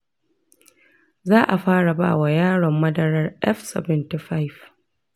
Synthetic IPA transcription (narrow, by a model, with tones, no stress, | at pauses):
zaː˦ʔa˨ɸaː˦ɽa˨ba̰ː˦˨wa˨jaː˦ɽɔ˨mːɐ˦dɐ˨ɾɐ˦rʔɛ˦fsɛ̰˨bɛ˨nti˨ɸa˦jf